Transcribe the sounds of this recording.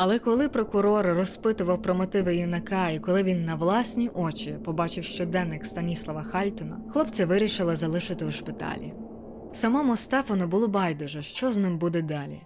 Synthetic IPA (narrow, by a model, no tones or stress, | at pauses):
ɐlˠɛkɔlˠɪpɾɔkʊɾɔɾrɔspɪt̪ʊʋɐwpɾɔmɪt̪ɪʋɪjinɐkɑikɔlˠɪʋʲinːɐʋlˠɑsʲnʲiʔɔt͡ʃʲipɔbɑt͡ʃɪwʃt͡ʃɔd̪ɛnːɪkst̪ɐnʲislˠɐʋɐxɑlʲt̪ɔnɐxlˠɔpt͡sʲɐʋɪɾʲiʃɪlˠɪzɐlˠɪʃɪt̪ɪuʃpɪt̪ɑ̰lʲḭ | sɐmɔmʊst̪ɛfɐnʊbʊlˠɔbɑjd̪ɔʒɐʃt͡ʃɔznɪmbud̪ɛd̪ɑlʲḭ